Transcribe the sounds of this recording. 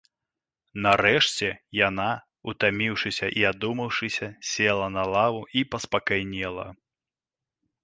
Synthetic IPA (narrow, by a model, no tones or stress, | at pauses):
nɐɾɛʂt͡sʲɛjana | ut̪amʲiwʂɨsʲɐʔiad̪umɐwʂɨsʲɐsʲɛlˠɐnɐlˠavuipɐspɐkajnʲɛlˠɐ̰